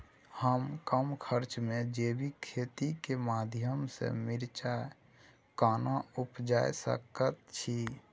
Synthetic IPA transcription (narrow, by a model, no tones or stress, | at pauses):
həmkəmkʰəɾt͡ʃmed͡ʒebikʰet̪ikemad̪ʱjəmsḛmiɾt͡ʃa | kaːnaupd͡ʒaesə̰kət̪̚t͡ʃʰi